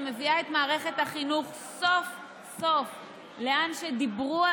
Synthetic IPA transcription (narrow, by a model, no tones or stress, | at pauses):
me̞viaet̪maːʁe̞χet̪haχinuχ | so̞f | so̞f | leanʃed̪ibʁua